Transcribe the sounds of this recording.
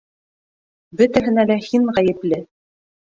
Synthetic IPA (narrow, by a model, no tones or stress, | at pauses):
bɵ̆t̪æɦɘ̆nælæhiɴʁæjɘ̆plɘ